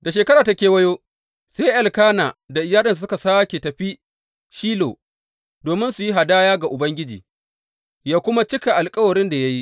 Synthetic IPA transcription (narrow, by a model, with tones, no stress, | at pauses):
da˨ʃ̬eː˨kɐ˦ɾaː˨ta˦kʲeː˨wɐ˦joː˦ | se˦ʔɛ˨lkaː˦naː˨da˨ʔɪ˨jaː˦ɗɐ˨nssʊ˦ka˨saː˦kʲe˨tɐ˨ɸi˦ | ʃiː˦lo̰ː˨ | doː˨mɪ˦nsu˨ji˦ɦa˨daː˦jaː˦ɡa˨ʔʊ˨bɐ˦ŋɡʲɪ˦d͡ʒḭː˨ | jaː˦kʷʊ˦ma˦t͡ʃɪ˦ka˨ʔa˨lkʼɐ˦wɐ˨ɽɪ˦nda˨ja˦ji˦ʔ